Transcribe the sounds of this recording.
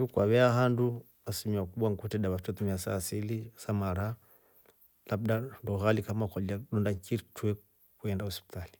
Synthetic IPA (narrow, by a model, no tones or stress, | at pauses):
jukwaβɛaɦandu | asimiwakuɓaŋkutɛɗaβat͡ʃat̪umiasa̰silisamaɾa | lab̚ɗandɔɣalikamakɔliaɗɔndakitwɛ | kuɛndauspi̥tali